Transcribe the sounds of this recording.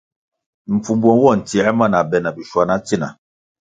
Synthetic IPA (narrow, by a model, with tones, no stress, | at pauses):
m̩˨fu˨bwɔ˦n˦wɔ˦˨n̩˨ti˨ɛ˦ma˦˨na˨bɛ˨na˨bi˨ʃwa˨na˨˦ti˦na̰˨